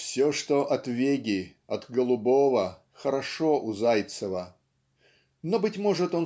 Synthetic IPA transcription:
fsʲoʂt̪oʔɐt̪vʲeɡʲɪ | ɐt̪ɡəlˠʊbovə | xəɾɐʂoʔʊzajt̪səvə | nobɨtʲmoʐɨt̪o̞n

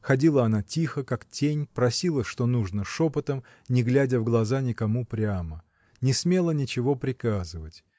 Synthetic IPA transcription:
xɐdʲilˠəɐnatʲixəkaktʲenʲpɾɐsʲilˠəʂt̪o̞nuʐnəʂopət̪əm | nʲɪɡlʲædʲəvɡlˠɐzanʲɪkɐmupɾʲamə | nʲɪsmʲe̞lˠənʲɪt͡ɕɪvo̞pɾʲɪkazɨvətʲ

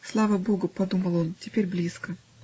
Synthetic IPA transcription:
slˠavəbo̞ɡʊpɐd̪uməlˠo̞ntʲɪpʲeɾʲblʲiskə

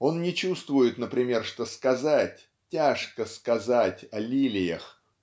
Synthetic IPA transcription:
o̞nnʲɪt͡ɕust̪vʊjɪt̪nəpɾʲɪmʲe̞rʂt̪o̞skɐzat̚ʲ | tʲːaʂkəskɐzatʲɐlʲilʲɪjə̰x

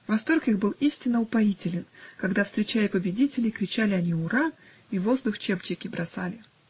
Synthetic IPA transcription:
vɐst̪o̞rkixbɨlˠisʲtʲɪnːəʊpɐitʲɪlʲɪnkɐɡd̪afst̪ɾʲɪt͡ɕæjʲɪpəbʲɪdʲitʲɪlʲɪkɾʲɪt͡ɕælʲɪɐnʲiʊɾa | ivo̞zd̪ʊxt͡ɕept͡ɕɪkʲɪbɾʔɐsalʲɪ

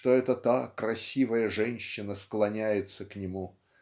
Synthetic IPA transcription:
t̪oɛt̪ət̪akɾɐsʲivəjəʐɛnʲɕːɪnəsklˠɐnʲæjɪt̪səknʲɪmu

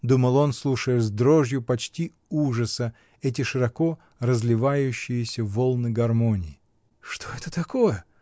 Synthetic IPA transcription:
d̪uməlˠo̞nslˠuʂəjɪzd̪ɾoʐjʊpɐt͡ɕtʲi | uʐəsə | ɛt̬ʲɪʂɨɾɐko̞ | rəzlʲɪvajʉɕːɪjɪsʲəvolˠnɨɡɐrmo̞nʲɪɪ | ʂt̪o̞ɛt̪ət̪ɐkojə

